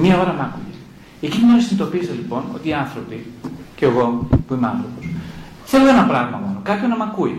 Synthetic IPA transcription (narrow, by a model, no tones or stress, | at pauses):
miɐo̞ɾɐmɐkue | ecinimesinit̪o̞piselipo̞no̞̰t̪iːɐnθɾo̞piceɣo̞puimeɐ̰nθɾopos | θe̞loenɐpɾɐɣmɐmonokɐpçonɐmɐkui